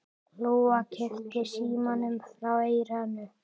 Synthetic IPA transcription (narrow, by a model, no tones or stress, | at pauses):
loːacʰɛht̪ɪsiːmanʏmθɾaweːjɾanːʏ